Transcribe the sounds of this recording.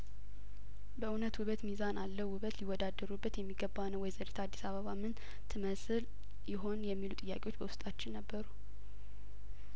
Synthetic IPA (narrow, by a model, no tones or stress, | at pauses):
bəʔɨnət̪wʊβət̪mizanalːəwwʊβət̪liwːɔd̪ad̪ːəɾubːət̪jɛmːiɡəbanəwɔjzəɾet̪ʰad̪ːisaβəβamɨn | t̪ʰɨməsɨl | jɪɦo̞njɛmːilut̪ʼɨjːa̰kʼewo̞t͡ʃːbəwʊst̪ʼat͡ʃːɪnːəbːəɾu